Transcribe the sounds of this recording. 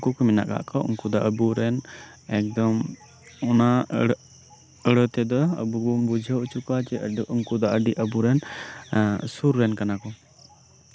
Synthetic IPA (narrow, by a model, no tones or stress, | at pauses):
ŋkukɔmina̰ʔka̰ʔkɔʔṵŋkud̪ɔʔəbuɾɛnɛk̚d̪ɔm | ɔna | əɽət̪ɛd̪ɔə̰bubɔmbud͡ʒʱəut͡ʃukat͡ʃɛuŋkud̪ɔʔəɖiʔəbuɾɛn | suɾːɛnkanakɔ